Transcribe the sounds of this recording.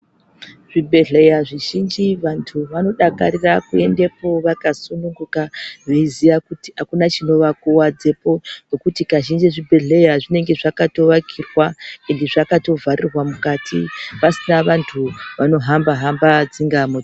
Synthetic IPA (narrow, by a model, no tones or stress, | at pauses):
ʐ̥ibʱe̞ɮe̞jaʐiʒind͡ʒiʋantʰuʋano̞ɗakaɾirakue̞nde̞po̞ʋakasunuŋɡukaʐeizijakutiɦakunat͡ʃino̞ʋakuwad͡ze̞po̞no̞kutikaʒind͡ʒeʐibʱe̞ɮe̞jaʐine̞ŋɡe̞ʐakato̞ʋakʰirwae̞nde̞ʐakato̞vʱaɾirwamukatḭpasinaʋantʰuʋano̞ɦambaɦambad͡ziŋɡamo